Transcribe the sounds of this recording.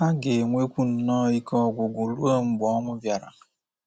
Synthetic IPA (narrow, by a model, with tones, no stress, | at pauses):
a˦ɡe˨ŋʷe˦kʷu˦n̩˨nɔ˦˨i˦kɔ˦˨ɡʷʊ˨ɡʷu˨lu˦o˦ŋ͡m̩˦ɡ͡bɔ˦ŋʷʊ˦vja˨ɾa̰˨